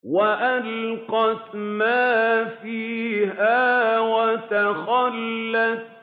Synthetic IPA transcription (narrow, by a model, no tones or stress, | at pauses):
waʔalqɑtmaːfiːhaːwat̪axalːat̪